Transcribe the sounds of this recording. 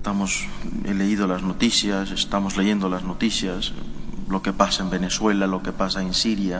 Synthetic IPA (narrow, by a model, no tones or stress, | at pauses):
t̪amosele̞iðo̞lazno̞t̪isjasest̪amozleʝe̞nd̪olazno̞t̪isjaslo̞ke̞pasaembe̞ne̞swe̞lalo̞ke̞pasaensiɾja